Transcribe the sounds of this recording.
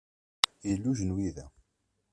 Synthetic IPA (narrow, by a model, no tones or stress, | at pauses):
jəlːuʒənwiðæ